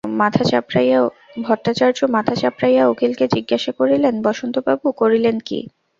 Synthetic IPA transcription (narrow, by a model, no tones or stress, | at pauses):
mat̪ʰat͡ɕapɾaja | bʱɔʈːat͡ɕaɾd͡ʑomat̪ʰat͡ɕapɾajaokelked͡ʑiɡːaʃakoɾilenbɔʃont̪obabukoɾilenkḭ